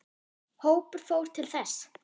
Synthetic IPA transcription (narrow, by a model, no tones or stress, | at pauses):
hoːwpʏɾ̥fowɾ̥t̪ʰɪlθɛs